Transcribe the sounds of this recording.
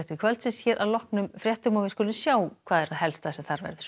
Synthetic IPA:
ht̪ʏkʰvœlt̪sɪsçɛːɾʔawlɔhknʏmfɾjɛht̪ʏmɔvɪðskɔːlɪnsjaːwkʰvaːðɛɾ̥aðɦɛlst̪asɛmθaɾvɛ̰ɾðʏɾ̥

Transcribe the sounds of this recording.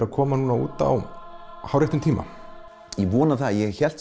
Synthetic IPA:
ɾaðkʰɔːmanuːnaṵːt̪a̰whawɾɛht̪ʏmt̪ʰiːma̰ | ivɔːnaθajɛçɛl̥t̪

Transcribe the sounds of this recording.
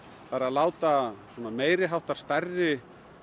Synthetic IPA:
paːɾalaːwt̪aswɔːnameːjɾɪɦawht̪aɾ̥st̪ɛrːɪ

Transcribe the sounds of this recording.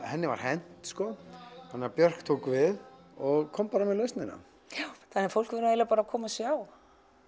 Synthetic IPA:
hɛnːɪva̰ɾ̥hɛn̥t̪skɔhanːɛːapjœr̥kt̪ʰoːwkvɪð | ɔɣkʰɔwmpaːɾamɛðlœɥst̪nɪnːa̰ | θanɛɾ̥fowl̥kvɪnaeːlapaːɾakʰɔːmasjaːw

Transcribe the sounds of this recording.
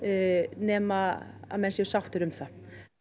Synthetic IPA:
nɛːmaamɛnsɛʏsawt̪ɪɾʏmθa

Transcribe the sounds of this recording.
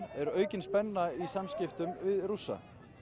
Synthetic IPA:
ɛɾœːɥcɪnspɛnːaisamscɪft̪ʏmvɪðrusːa̰

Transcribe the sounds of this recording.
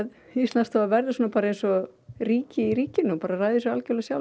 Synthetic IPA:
ð | ist̪lanst̪avavɛɾðɪsuːnapaːɾaẽnsɔriːcɪiɾiːcɪnʏpaːɾarajðɪsɔalcœlasjaw

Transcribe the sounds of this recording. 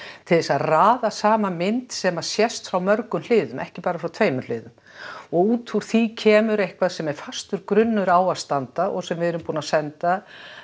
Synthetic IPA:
t̪ʰɪlðɛsaðraːðasaːmamɪnt̪sɛmasjɛst̪fɾawmœɾkʏml̥ɪːðʏmʔɛ̰hcɪpaːɾafɾawt̪ʰveːjmʏɾl̥ɪːðʏm | ɔɣuːt̪ʰuɾ̥θicʰɛːmʏɾejhkvaðsɛmɛɾ̥fast̪ʏɾkɾʏnːʏɾaːwaðst̪ant̪aʔɔɣsɛmvɪðɛɾʏmpuːnasɛnt̪a

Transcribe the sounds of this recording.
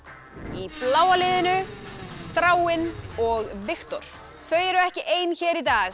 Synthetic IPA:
iplaːwalɪðɪnʏθɾaːwɪnɔɣvɪxt̪ɔɾ̥ | θœɥɛɾʏɛhcɪʔeːjnçɛːɾit̪aːɣ

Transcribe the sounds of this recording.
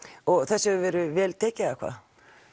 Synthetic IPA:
ɔɣθɛsːɛʏvɛːɾʏvɛːlt̪ʰɛːcɪðakʰva̰ːð

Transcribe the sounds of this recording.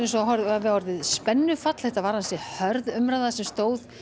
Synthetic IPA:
ɪnsɔɦɔɾðavɪhɔɾðɪðspɛnːʏfat̪l̥ɛht̪avaːɾansɛhœɾðʏmɾaðasɛmst̪oːwð

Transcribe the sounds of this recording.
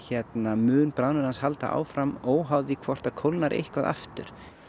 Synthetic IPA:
çɛt̪namʏːnpɾanʏɾanshalt̪a̰ʔa̰ːwfɾamɔwɦawðɪkʰvɔr̥t̪akʰowlnaɾʔḛhkvaða̰ft̪ʏ̰ɾ̥

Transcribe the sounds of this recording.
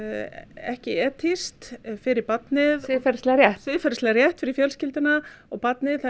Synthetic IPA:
ɛ̰hcɪɛːt̪ʰɪst̪fɪɾɪɾpat̪nɪðɪfɛɾst̪lɛɣaɾjɛhtsvɪðfɛɾslɛɣaɾjɛht̪fɪɾɪɾfjɛlscɪlt̪ɪnaɔɣpat̪nɪðθa

